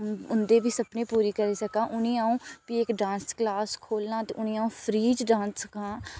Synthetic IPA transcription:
ʊnd̪eːbʱiːsəpnẽːpuːɾiːkəɾiːsəkãːʔʊnĩːaːũːpiɪkɖãːnsklaːskʰoːlnãːt̪eːʔʊnĩːaːũːpʰɾiːd͡ʒɖãːnssəkãː

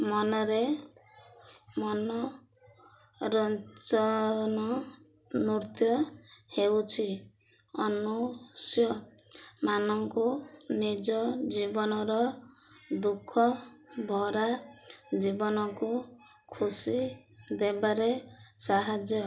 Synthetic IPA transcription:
mɔnɔɾe | mɔnɔ | ɾɔnt͡ʃɔnɔ | nuɾt̪jɔhewt͡ʃʰi | ɔnusjɔ | manɔŋkunid͡ʒɔd͡ʒibɔnɔɾɔ | d̪ukʰːɔbʱɔɾad͡ʒibɔnɔku | kʰusi | d̪ebaɾesaɦad͡ʒjɔ

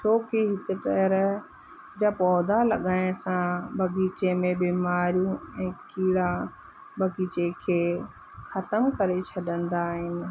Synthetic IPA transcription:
t͡ʃʰoːkiɦɪkʊt̪ɛɾ | d͡ʑaːpɔːd̪alɐɠaːɪ̃sãbɐɡiːt͡ɕemẽbiːmaːɾijũɛ̃ːkiːɽa | bɐɡiːt͡ɕekʰeː | xɐt̪əmkɐɾet͡ɕʰɐɗə̃nd̪aːɦɪnɪ̆

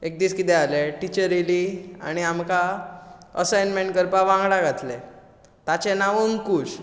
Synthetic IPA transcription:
ek̚d̪iːskit̪ɛaleʈit͡ɕəɾilia̰ɽ̃iamka | əsajnmeɳʈkəɾpaʋãŋɡɽaɡʱat̪le | t̪at͡ɕenaʋəŋkuːt͡ɕ

